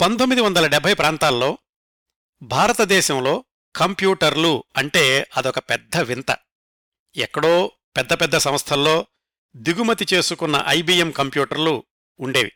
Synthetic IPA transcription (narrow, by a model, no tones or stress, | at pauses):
pɐnt̪omːid̪iʋɐnd̪ɐlɐɖɛbʱɐjpɾaːnt̪aːlːo̞ː | bʱaːɾɐt̪ɐd̪ɛːʃɐmlo̞ː | kɐmpjuːʈɐɾluɐɳʈe̞ːɐd̪iɔkɐpɛd̪ːɐʋint̪ɐ̰ | ɛkːɐɽo̞ː | pɛd̪ːɐpɛd̪ːɐsɐ̃mɐst̪ʰɐlːo̞ː | d̪iɡumɐt̪it͡ʃe̞ːsukunːɐ̰ʔɐjbiːemkɐmpjuːʈɐɾluː | ɳɖe̞ːʋḭ